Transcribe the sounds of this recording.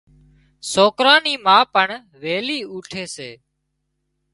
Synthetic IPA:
soːkɾaːniːmãːpəɳ | ʋeːliːuːʈʰeːseː

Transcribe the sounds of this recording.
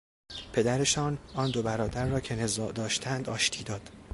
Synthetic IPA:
pʰe̞d̪æɾe̞ʃɒːnɒːnd̪o̞bæɾɒːd̪æɾːɒːcʰe̞nezɒːʔd̪ɒːʃt̪ʰænd̪ɒːʃt̪ʰiːd̪ɒːd̪̥

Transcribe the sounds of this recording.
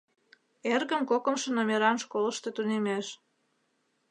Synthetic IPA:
erɣə̆mkokə̆mʃĕnomʲeɾɑnʃkoləʃt̪et̪unemeʃ

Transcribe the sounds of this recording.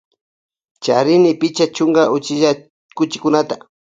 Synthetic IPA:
t͡ʃaɾɪnɪpɪt͡ʃat͡ʃʊŋɡaʔʊt͡ʃɪʒa | kʊt͡ʃɪkʊnat̪a

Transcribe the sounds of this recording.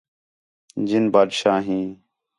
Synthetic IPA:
d͡ʒɪnbaːdʃaːɦĩː

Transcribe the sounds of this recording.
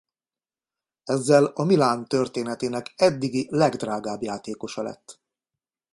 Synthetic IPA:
ɛzːɛlɒmilaːnt̪ørt̪eːnɛt̪eːnɛkɛd̪ːiɡilɛɡd̪raːɡaːbjaːt̪eːko̞ʃɒlɛ̰t̪ː

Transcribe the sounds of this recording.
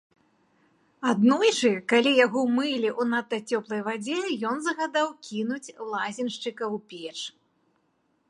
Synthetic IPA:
ad̪nɔjʂɨkalʲijaɣɔmɨlʲiʔunat̪ːɐt͡sʲɔplˠɐjvad͡zʲɛjɔnzɐɣad̪awkʲinut͡sʲlˠazʲinʂt͡ʂɨkɐwpʲɛt͡ʂ

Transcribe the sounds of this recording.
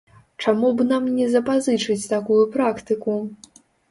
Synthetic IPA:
t͡ʂamubnamnʲɛzɐpazɨt͡ʂɨt͡sʲt̪akujupɾakt̪ɨku

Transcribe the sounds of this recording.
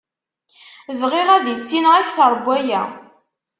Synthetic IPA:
vʁɪʁæðisːinʁæçθəɾˤbːæjæ̰

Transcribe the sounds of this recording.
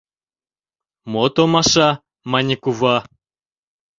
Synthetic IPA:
mot̪omaʃa | manʲikuva

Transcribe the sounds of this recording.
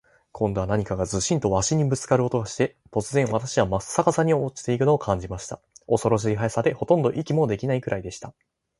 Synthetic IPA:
kʰõnd̪o̞βanaɲ̟ikaɡazɨɕĩnt̪o̞βaɕiɲ̟ibɯ̟t͡sɨ̥kaɾɯot̪o̞ɡaɕi̥t̪e̞t̪o̞t͡sɨzẽ̞ɰ̃βat̪aɕiβamasːakasaɲ̟iot͡ɕi̥t̪e̞ikɯ̟noːkʰãɲ̟d͡ʑimaɕi̥t̪a̰ | o̞so̞ɾo̞ɕ̬iɾʲiɦaesad̪e̞ho̞t̪õ̞nd̪o̞ʔikʲimo̞d̪e̞kʲinaikɯ̟ɾaid̪e̞ɕi̥t̪a

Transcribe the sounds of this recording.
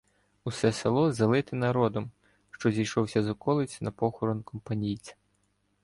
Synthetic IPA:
usɛselˠɔzɐlˠɪt̪ɪnɐɾɔd̪ɔm | ʃt͡ʃɔzʲijʃɔwsʲɐzɔkɔlˠɪt͡sʲnɐpɔxɔɾɔnkʰɔmpɐnʲijt͡sʲɐ̥

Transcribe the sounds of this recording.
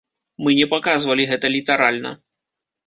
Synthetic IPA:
mɨnʲɛpakazvɐlʲiɣɛt̪ɐlʲit̪aɾalʲnɐ̰

